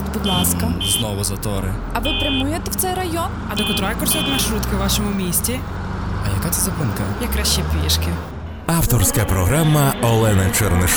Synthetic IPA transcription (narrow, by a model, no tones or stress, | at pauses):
bud̪lˠɑskɐznɔʋʊzɐt̪ɔɾɪ | ɐʋɪpɾɪmujet̪ɛwt̪sɛjrɐjɔnɐd̪ɔkɔt̪ɾɔjɛkɔrsʲɔt̪nɐʃɾut̪kɪwʋɑʃɔmʊmʲisʲtʲi | ɐjɐkat̪ɛzɐpɪnkɐjɐkɾaʃt͡ʃipʲiʃkɪ | ɑwt̪ɔrsʲkɐpɾɔɦɾamːɐɔlˠɛnɐt͡ʃɛrnɪʃ